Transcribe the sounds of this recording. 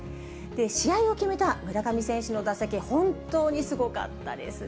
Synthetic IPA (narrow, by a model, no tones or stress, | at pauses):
d̪̥e̞ɕijaio̞kʲime̞t̪amɯ̟ɾakamʲisẽ̞ɕɨno̞d̪asakʲihõ̞nt̪o̞ːɲ̟isɨɡo̞ka̰t̪ːa̰d̪e̞̰sɨ